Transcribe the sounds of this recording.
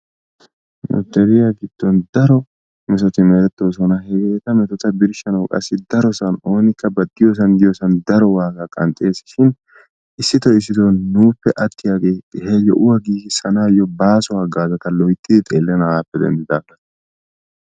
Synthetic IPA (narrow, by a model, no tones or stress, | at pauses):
nʊ̰t̪ːɛɾɪjaɡɪd̪̥ːɔnd̪ɐɾɔ | mɛsɔt̪ɪmɛɾɛt̪ːoːs̬ɔnɐhɛɡeːt̪ɐmɛt̪ɔt̪ːɐbɪɾʃɐnɐwkʼɐ̰sːɪd̪ɐɾɔsɐno̞ːnɪkːɐbɐd̪ːɪjos̬ɐnd̪ɪjɔsɐnd̪ɐɾɔwaːɡɐkʼɐ̰nt̪ʼe̞ːsɪʃɪn | ʔɪsːɪt̪ɔɪs̬ːɪt̪ɔnnuːpːɛʔɐt̪ʰːɪjaːɡeːtːɪhɛjɛʔʊwɐɡiːɡɪsɐnaːjɔbaːsʊwaːɡaːzɐt̪ɐlɔjt̪ʼːɪd̪ɪt̪ʼeːlːɛnɐaːpːɛd̪ɛ̰nd̪ɪd̪aːblɐ